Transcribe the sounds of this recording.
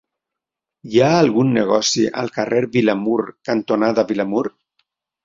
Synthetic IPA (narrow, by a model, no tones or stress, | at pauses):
jaːlˠɣunːəɣɔsiʔa̰lˠkareɾbilamuɾkant̪onaðaβilamuɾ